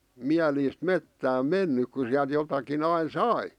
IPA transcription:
miæliːst metːæːm menːyk ku siæl̆t jotɑkin ɑin sɑi

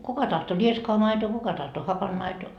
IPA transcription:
kukɑ tɑhto rieskoɑ mɑitoː kukɑ tɑhto hɑpɑnmɑitoː

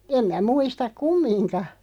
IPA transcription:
em mæ muistɑk kumːinkɑ

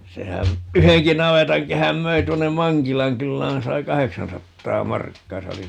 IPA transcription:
sehæn yheŋki nɑʋetɑŋkehæm møi tuonːem̆ mɑŋkilɑŋ kylːæːn sɑi kɑheksɑnsɑtːɑː mɑrkːɑː se oli

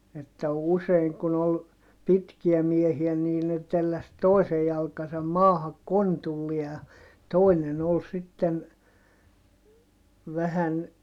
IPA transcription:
etːæ useiŋ kun ol pitkiæ miehiæ niː ne telːæs toisej jɑlkɑsɑm mɑːhɑk kontulːie j̆ɑ toˑinen ol sitːen ʋæhæn

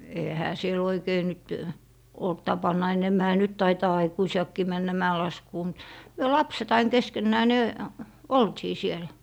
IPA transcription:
ehæ siel oikei nyt olt tɑpɑnːɑ enemːæhæ nyt tɑitɑː ɑikuisiɑkːiː mænːæ mæelɑskuː mut myø lɑpset ɑin keskenːæː ni̯ oltiː sielæ̥

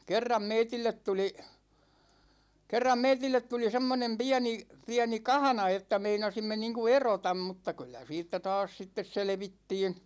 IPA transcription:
kerːɑm meitilːet tuli kerːɑm meitilːet tuli semːonem piæni piæni kɑhɑ̆nɑ etːæ meinɑsimːe niːŋku erotɑm mutːɑ kylːæ siːtːæ tɑːs sitːes selĕʋitːiːn̞

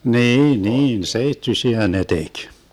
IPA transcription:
niːn niːn seitːysiæ ne tek

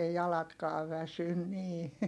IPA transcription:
ei jɑlɑtkɑːʋ ʋæsyn niː

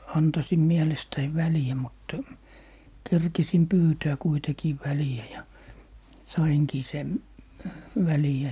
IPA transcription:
ɑntɑsim miɛlestæiʋ ʋæliæ mutːɑ kerkisim pyːtæː kuitekiː ʋæliæ jɑ sɑiŋkiː sem ʋæliæ

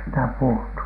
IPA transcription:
sitæ puhutːu

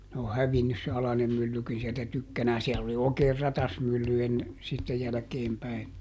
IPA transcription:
ne o hæʋinːys se ɑlɑnem mylːykin sieltæ tykːænæːn siɛlː oli oːkeːr rɑtɑsmylːy enːe sitːe jælæ̆keːm pæi

